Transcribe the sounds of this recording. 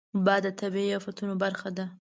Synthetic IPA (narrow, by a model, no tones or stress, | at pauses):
d̪ɑd̪ət̪abiijɑfat̪unobaɾxad̪a